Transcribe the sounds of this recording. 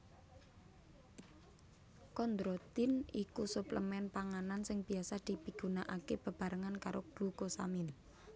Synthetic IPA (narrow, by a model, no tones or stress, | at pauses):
kɔnd̪ɾot̪ɪnikusupləmɛnpaŋanansɪŋb̥i̤asad̪̥i̤piɡ̥ṳnaʔakeb̥ə̤b̥a̤ɾəŋankaɾoɡ̥lukosa̰mɪn